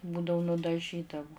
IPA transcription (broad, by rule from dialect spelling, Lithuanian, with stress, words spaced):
ˈbuːdɐʋʊ nʊdɐˈʒʲiːdɐʋʊ